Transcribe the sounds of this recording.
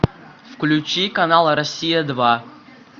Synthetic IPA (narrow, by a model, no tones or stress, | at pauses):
fklʲʉt͡ɕikɐnalˠəɾɐsʲijəd̪va